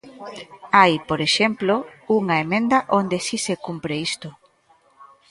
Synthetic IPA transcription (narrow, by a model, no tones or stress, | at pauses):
ajpoɾeʃemplouŋɐemẽnd̪ɐʔond̪esisekumpɾeist̪o